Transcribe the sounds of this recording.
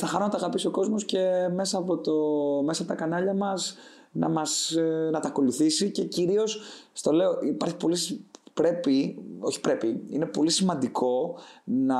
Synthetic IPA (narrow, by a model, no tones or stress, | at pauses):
θɐxɐnonɐt̪ɐɣɐpisio̞ko̞zmo̞sce̞me̞sɐːpo̞t̪ome̞sɐpo̞t̪ɐkɐnɐʎɐmɐz | nɐmɐsnɐt̪ɐko̞luθisice̞ciɾio̞sst̪o̞le̞o̞ʔipɐɾçipo̞lispɾe̞pio̞çi̥pɾe̞piḭne̞po̞lisimɐnd̪iko̞nɐ